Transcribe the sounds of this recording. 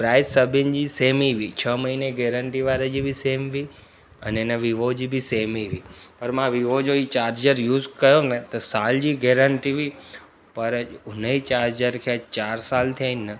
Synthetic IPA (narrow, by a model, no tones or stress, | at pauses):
pɾaːɪd̪sɐbʱɪnɪ̆d͡ʑiːseːmiʋit͡ɕʰɐmɐɦineɡeːɾə̃ɳʈiʋaːɾəd͡ʑiːbɪseːmʋi | ɛnɪnəʋiʋod͡ʑiːbɪseːmiʋiːpɐɾmãʋiʋod͡ʑoit͡ɕaːɾd͡ʑəɾjuːzkɐjonət̪ɐsaːld͡ʑiːɡeːɾəɳʈiʋi | pɐɾʊnəit͡ɕaːɾd͡ʑəɾkʰet͡ɕaːɾsaːlt̪ʰijaːɪnɪnɐ